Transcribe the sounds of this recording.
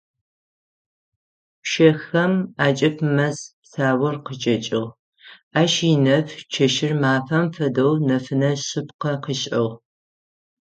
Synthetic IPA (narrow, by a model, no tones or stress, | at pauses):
pʃɐxɐmaːt͡ʃʼɐpʰmɐspsaːwɐrqət͡ʃʼɐt͡ʃʼɪʁ | aːʃiɪnɐft͡ʃʰɐʃɪrmaːfɐmfɐdownɐfɨnɐɕɨpqɐqiɕʼɐw